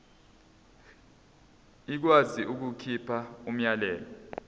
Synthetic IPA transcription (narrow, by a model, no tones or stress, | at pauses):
ik̬waziʔuk̬ukʰipʰaum̩jalɛːlɔ